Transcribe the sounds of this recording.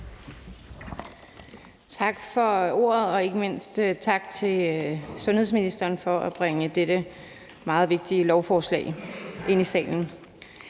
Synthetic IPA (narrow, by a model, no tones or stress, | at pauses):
t͡sʰɑ̈ɡ̥fɒ̽o̝̰ːɐð̞̩ˠɒ̽e̝ɡ̥əme̝n̰sd̥t͡sʰɑ̈ɡ̥̚t͡sʰe̝lsɔ̽nhes̬minisd̥ɐːnfɒ̽ʔæb̥ʁeŋəd̥ed̥ə | mɑ̈ːð̩ˠʋe̝ɡ̥̚d̥iəlɒʊfɒːslɛ̰ːɪʔe̝n̰isɛ̰ːln̩